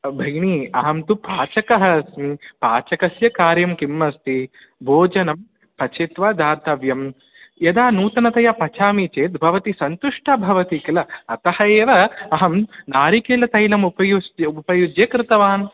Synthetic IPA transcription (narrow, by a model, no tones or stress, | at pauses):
bʱɐjniɐɦɐmt̪upaːt͡ʃɐkɐɦɐsmipaːt͡ʃɐkɐsjɐkaːɾjɐmkimːɐst̪i | bʱoːd͡ʒɐnɐm | pɐt͡ʃet̪ʋaːd̪aːɾt̪ɐʋjɐm | jɐd̪aːnuːt̪ɐnɐt̪ɐjapɐt͡ʃʰaːmit͡ʃeːt̪bʱɐʋɐt̪isɐnt̪uʂʈabʱɐʋɐt̪ikɐlɐɐt̪ɐhɐeːʋɐːɦɐmnaːɾikeːlɐt̪ɐjlɐmupɐjuupɐjud͡ʒjɐkɾɪt̪ɐʋaːn